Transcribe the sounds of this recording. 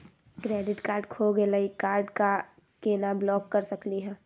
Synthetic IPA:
kɾɛːɖɪʈkaːɾɖkʰoɡelaikaːɾɖka | keːnablɔːkːɐɾsɐkliɦɛ̃ː

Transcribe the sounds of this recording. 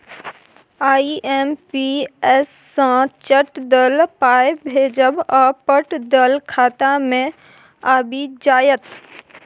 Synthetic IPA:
aːiʔɛːmpiɛːsːãt͡ʃəʈd̪əlpaːebʱeːd͡ʒəbɔːpəʈd̪əlkʰaːt̪amẽ | aːbʱid͡ʒaːjət̪

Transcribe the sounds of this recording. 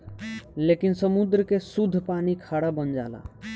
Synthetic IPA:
lekinsəmud̪ɾəkesud̪ʱːpaːnikʰaːɽabənd͡ʒa̰ːla̰

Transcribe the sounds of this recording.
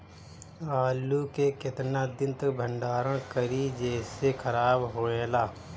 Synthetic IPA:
aːlukekɪt̪naːd̪ɪ̃nt̪əkbʱə̃ɳɖaːɾə̃kəɾid͡ʒɛːsekʰəɾaːbɦoːeːlaː

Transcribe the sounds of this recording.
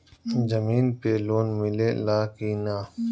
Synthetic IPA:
d͡ʒəmiːnpeːloːnmɪleːlaːkiːnaː

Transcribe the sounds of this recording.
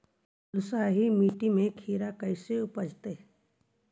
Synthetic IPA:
lʊsaːɦimiːʈimẽkʰiːɾakəɪseʊpəd͡ʒt̪e

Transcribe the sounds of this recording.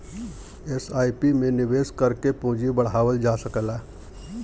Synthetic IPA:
esaːipimẽnɪʋeːskəɾkepõːd͡ʒibəɽ̤aːʋəld͡ʒaːsəkəlaː

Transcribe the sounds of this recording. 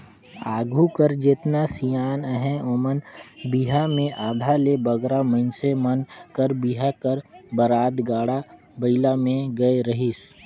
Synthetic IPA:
aːɡʱukəɾd͡ʒeːt̪nasijaːnəɦɛ̃oːmənbiɦamẽʔaːd̪ʱalebəɡɾaməɪnsemənkəɾbiɦakəɾbəɾaːd̪ɡaːɽa | bəɪlamẽɡəeɾəɦis

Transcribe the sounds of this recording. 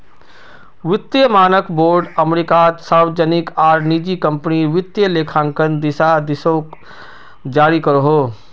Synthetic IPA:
ʋɪt̪jəmaːnəkboːɾɖəmɾɪkat̪saːɾwd͡ʒənɪkaːɾnid͡ʒikə̃mpniʋɪt̪jəleːkʰãːŋkənd̪ɪsad̪ɪsoːk | d͡ʒaːɾikəɾoɦoː

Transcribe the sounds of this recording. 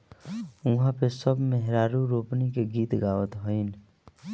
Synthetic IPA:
uɦãpesəbmeɦɾaɾuɾopnikeɡit̪ɡawət̪ɦəɪn

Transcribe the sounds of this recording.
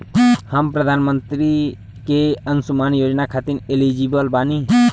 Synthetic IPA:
həmpɾəd̪ʱaːnmənt̪ɾi | keənsumaːnjoːd͡ʒnakʰaːt̪iɾelid͡ʒibəlbaːni

